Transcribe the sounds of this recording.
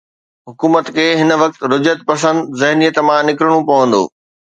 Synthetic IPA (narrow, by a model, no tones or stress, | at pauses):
ɦʊkuːmət̪kʰeːɦɪn̆ʋɐk̚t̪ɾʊd͡ʑət̪̚pɐs̬ə̃nd̪zɐɦnijət̪mãnɪkɾəɽ̃õpɐʋə̃nd̪o̰ː